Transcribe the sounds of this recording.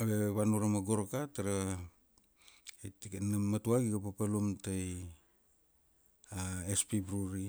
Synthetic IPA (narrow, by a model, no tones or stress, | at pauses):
aβeβanuɾamaɡoɾkataɾa | tnamːatuaɡiɡapapalumtaj | aespibɾuɾi